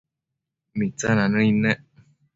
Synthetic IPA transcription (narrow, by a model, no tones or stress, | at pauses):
mit͡sananəinɛ